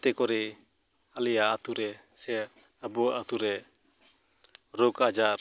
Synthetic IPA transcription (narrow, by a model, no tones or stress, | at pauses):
t̪ɛkɔɾɛ | alɛjaːt̪uɾɛsɛ | abɔaʔat̪uɾɛ | ɾɔkad͡ʒaɾ